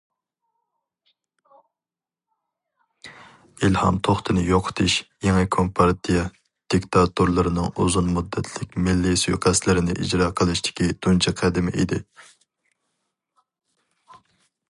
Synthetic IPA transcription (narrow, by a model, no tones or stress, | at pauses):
ilhɑ̰mt̪ʰoχt̪ʰɨnɨjoqʰʊ̥t̪ʰɨʃjeŋɨkʰompʰɑɾt̪ʰijɛ | d̪̥ikʲt̪ʰɑt̪uɾlˠɨɾɨnɨŋuzunmud̪ːɛt̪ʰlɪkʲmɪlːisujqʰæslɪɾɪnɪ̰ʔḭd͡ʒɾɑːqʰəlˠɨʃt̪ʰɪ̥kʲid̪̥unt͡ʃʰɛqʰæd̪ɪmɪʔid̪ɪ